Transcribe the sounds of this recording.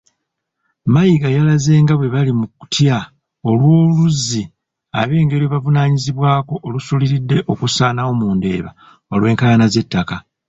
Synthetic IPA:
majiɡajalaze̞ːŋɡaβwe̞βalimuku̥tja | o̞lwo̞ːluzi | a̰βe̞ːŋɡe̞ɾiβavunaːɲiziβwaːko̞ʔːlusuliɾidːe̞ʔo̞kusaːnawo̞muːnde̞̰ːβa̰ | olwe̞ːŋkaanaze̞tːaka

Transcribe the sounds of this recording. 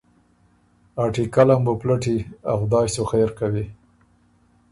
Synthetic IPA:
ɑʈikalamboplaʈiaxd̪ɑːjsoxejɾkawi

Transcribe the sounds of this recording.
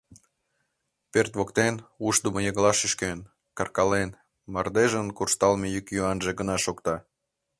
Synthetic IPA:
pert̪βokt̪enuʃd̪uməjəɣlɑʃyʃken | kɑrkɑlen | mɑrd̪eʒənkurʃt̪ɑlmejykjuɑnʒeɡənɑʃokt̪ɑ

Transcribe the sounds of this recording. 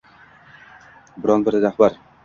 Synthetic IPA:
bɪɾɒnbɪɾɾahbaɾ

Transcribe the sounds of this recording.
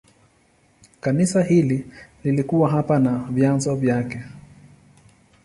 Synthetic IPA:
kanisahilililikuwaɦapanavjanzɔvjakɛ

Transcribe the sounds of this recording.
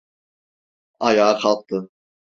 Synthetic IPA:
ɑjɑːqʰɑlˠq̚t̪ɯ

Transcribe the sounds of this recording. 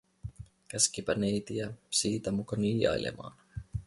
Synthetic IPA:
kæskipænejt̪iæsiːt̪æmukɑniːjɑ̰jlʔḛmɑ̰ːn

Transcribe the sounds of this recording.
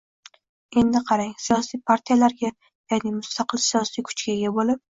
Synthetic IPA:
e̞nd̪ɪqʰɑɾaŋsijɒsijpʰaɾt̪ʰijalaɾɡʲa | jaːnɪmʊst̪ʰɑqɨlsijɒsijkʰʊ̥t͡ʃkʲaɡʲabolɪp̚

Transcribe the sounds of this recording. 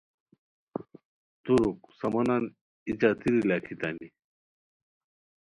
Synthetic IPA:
t̪uɾuksɐmɐnan | it͡ɕaːt̪ʰiɾilaːkʰit̪ami

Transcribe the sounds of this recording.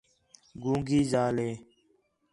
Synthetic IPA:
ɡũːŋɡiːzaːleː

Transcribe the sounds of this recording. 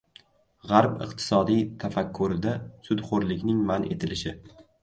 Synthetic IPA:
ʁaɾpɪ̰qt̪ʰɪ̥sɒd̪ijt̪ʰafakʲʰːʊɾɪd̪asʊd̪χoɾlɪkʲnɪŋmanʔe̞̰t̪ʰɪlɪʃɪ

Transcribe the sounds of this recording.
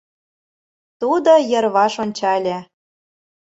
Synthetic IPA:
t̪ud̪ojɤ̆rβɑʃonʲt͡ɕɑlʲæ

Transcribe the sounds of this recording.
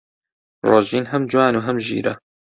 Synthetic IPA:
roːʒiːnɦɐmd͡ʒwaːnuːɦɐmʒḭːɾɐ

